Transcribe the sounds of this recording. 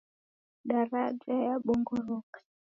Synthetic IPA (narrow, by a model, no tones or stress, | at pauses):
ɗaɾad͡ʒajaɓɔŋɡɔɾɔkḁ